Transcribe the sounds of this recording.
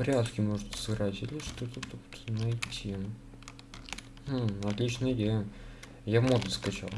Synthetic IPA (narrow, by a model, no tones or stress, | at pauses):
vɾʲat̪kʲɪmoʐɨt̪sɨɡɾatʲɪlʲɪʂt̪ot̪ət̪əkt̪nɐjtʲʰi | ɐt̪lʲit͡ɕnəjdʲejə | javmod̪əskɐt͡ɕa̰lˠ